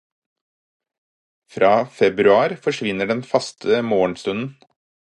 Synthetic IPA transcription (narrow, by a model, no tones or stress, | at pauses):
fɾɑːfɛbɾʉɑːɾfɔʂʋɪnəɖɛnfɑst̪ʰəmoːəɳst̪ʉnn̩